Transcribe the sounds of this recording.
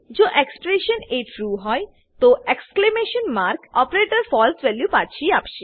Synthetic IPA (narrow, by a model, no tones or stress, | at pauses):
d͡ʑoʔeksʈɾeʃəneʈʰɾuɦɔj | t̪oeksklemeʃənmaɾkɔpɾeʈəɾfɔlsʋɛljupaɾt͡ɕʰiapʃi